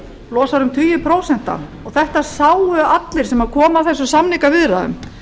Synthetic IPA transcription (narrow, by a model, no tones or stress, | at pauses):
lɔːsaɾʏmt̪ʰʏːjʏpʰɾoːwsɛn̥t̪a̰nɔɣθɛht̪asaːwhœat̪lɪɾ̥sɛmaðkʰɔːmaθɛsːʏsamnikavɪðɾa̰ðʏ̰m